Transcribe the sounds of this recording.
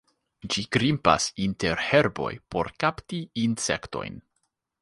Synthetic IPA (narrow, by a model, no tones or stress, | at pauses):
d͡ʒikɾimpa̰sinte̞ɾhe̞ɾbo̞̰jpo̞̰ɾkaptiinsekto̞̰jn